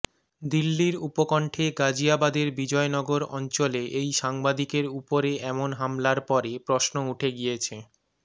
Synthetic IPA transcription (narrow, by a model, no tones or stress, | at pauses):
d̪ilːiɾupokɔɳʈʰeɡad͡ʑiabad̪eɾbid͡ʑɔenɔɡoɾɔ̰nt͡ɕoleʔejʃaŋbad̪ikeɾupoɾeʔɛmonɦamlaɾpɔɾepɾosnouʈʰeɡijet͡ɕʰe